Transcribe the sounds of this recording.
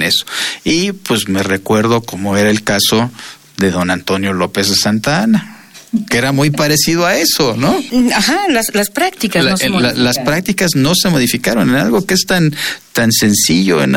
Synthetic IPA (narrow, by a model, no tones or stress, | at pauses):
neso̥ipwe̞zme̞re̞kwe̞ɾðo̞komo̞e̞ɾaelkaso̞ | ðe̞ðo̞nant̪o̞njo̞lo̞pe̞zðesant̪ana | keeɾamujpaɾe̞siðoae̞so̞no̞axalaslaspɾak̚t̪ikalalaspɾak̚t̪ikazno̞se̞mo̞ðifikaɾo̞nena̰lɣo̞kee̞st̪ant̪anse̞nsiʝo̞̰ḛn